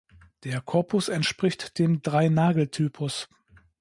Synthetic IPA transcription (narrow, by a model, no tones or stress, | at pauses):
d̥eːɐkʰɔɐpʰʊsɛntʃpʁ̥ɪçtd̥eːmdʁaɪnaːɡl̩tʰyːpʰʊs